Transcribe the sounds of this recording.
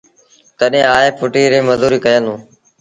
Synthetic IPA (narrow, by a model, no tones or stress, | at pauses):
t̪əɗẽːaːeːpʊʈiːɾeːməzuːɾiːkəjəlũː